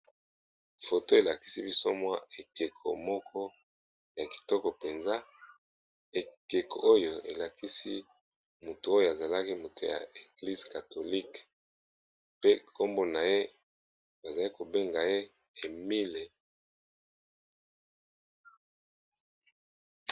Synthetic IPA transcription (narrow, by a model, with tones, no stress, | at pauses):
fo˨to˦e˨la˨ki̥˦si˦bi˦so˦mwa̰˦e˨ke˨kʰo̰˨mɔ˦kʰɔ˦ | ja˨ki̥˨tɔ˦kɔ˨pe˨nza˦ | e˨ke˨ko˨o˦jo˨e˨la˨ki˦si˦ | mo˨tu˨o˦jo˦a˨za˨la˦ki˦mo˨tu˨ja̰˨e˨ɡli˦zka˨to˨li˦k | pe˦ko˦mbo˦na˨je˦ | ba˨za˨˦i˦ko˨be˦ŋɡa˨je˦ | e˨mi˦le˨